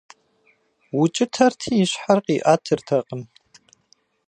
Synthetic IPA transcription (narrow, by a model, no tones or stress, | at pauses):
wʊt͡ʃʼɪtʰɐrtʰiːjɪɕħarqʼiːʔaːtʰɨrtʰɐqʼəm